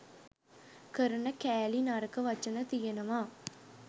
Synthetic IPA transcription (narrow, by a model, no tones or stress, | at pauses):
kɐɾɐnɐkeːlinaːɾɯkːɯʋɐt͡ʃːɐnɐt̪ijɐnɐmaː